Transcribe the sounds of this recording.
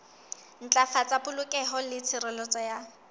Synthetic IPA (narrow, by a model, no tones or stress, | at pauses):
n̩t͡ɬʼafat͡sʼapʊlʊkʼɛɦɔlɪt͡sʰɪrɪlɔt͡sʼɔja